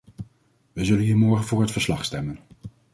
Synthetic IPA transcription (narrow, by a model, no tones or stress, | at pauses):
ʋəzɵlənɦiːɹmɔɹχənvʊːɹɦətfəɹslɑχstɛmən